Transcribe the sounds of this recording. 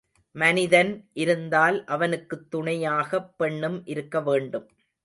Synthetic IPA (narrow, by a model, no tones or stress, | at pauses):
mɐnɪðɐnʔɪɾɯnd̪aːlʔɐʋɐnɯkːɯt̪ːʊɳɐjaːɣɐpːɛɳːɯmʔɪɾɯkːɐʋeːɳɖɯm